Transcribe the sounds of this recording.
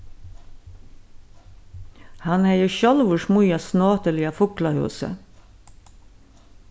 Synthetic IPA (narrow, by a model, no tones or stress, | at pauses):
hɑnhæɪəçɔlʋʊʃmʊjɑsnoːt̪əlɪːɑfʊklɑhʉ̰ːsə̰